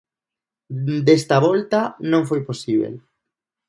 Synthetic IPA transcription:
d̪est̪aβɔlt̪anõŋfojposiβ̞ḛl

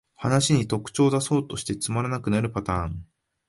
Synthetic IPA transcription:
hanaɕiɲ̟it̪o̞kɯ̟̥t͡ɕo̞ːd̪aso̞ːt̪o̞ɕi̥t̪e̞t͡sɨmaɾanakɯ̟naɾɯ̟pat̪ãːŋ

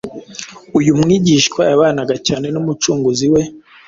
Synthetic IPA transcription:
ujumŋiːɟiʃkwaaβaːnaɡacaːne̞numut͡ʃuːŋɡuziwe̞

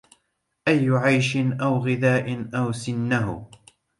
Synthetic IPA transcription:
ʔajːʊʕajʃɪnʔawɣɪðaːʔɪnʔawsɪnːaɦʊ

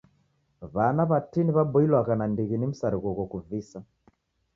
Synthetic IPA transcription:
βanaβatiniβabɔilwaɣanandiɣinim̩saɾiɣɔɣɔkuvisa

